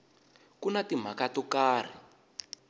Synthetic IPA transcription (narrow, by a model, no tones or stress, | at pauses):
kunatim̤akatɔkaːr̤i